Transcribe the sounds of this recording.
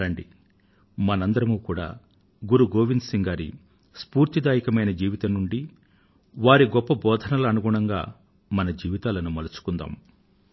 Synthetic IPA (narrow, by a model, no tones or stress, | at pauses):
ɐɳɖi | mɐnɐnd̪ɐɾɐmuːkuːɽa̰ː | ɡuɾuɡoːʋind̪siŋɡaːɾḭ | spuːɾt̪id̪aːjikɐmɐjnɐd͡ʒiːʋit̪ɐnːuɳɖi | ʋaːɾiɡɔpːɐbɔːd̪ʱɐnɐlɐːnuɡuɳɐŋɡaː | mɐnɐd͡ʒiːʋit̪aːlɐnumɐlɐt͡ʃu̥kund̪a̰ːm